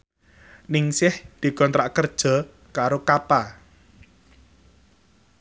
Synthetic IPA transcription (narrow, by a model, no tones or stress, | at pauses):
nɪŋsɪhd̪̥i̤kɔnt̪ɾaʔkərd̥ʒ̥ɔ̤ | kaɾokapa